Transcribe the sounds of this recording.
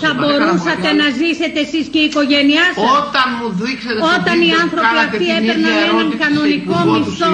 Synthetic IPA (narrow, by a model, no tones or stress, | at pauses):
θɐbo̞ɾusɐt̪e̞nɐzise̞t̪eesisceiko̞ʝe̞niɐsɐot̪ɐnmuðikset̪o̞t̪ɐniɐnθɾo̞piɐft̪iepeɾnɐnenɐŋkɐno̞niko̞mist̪o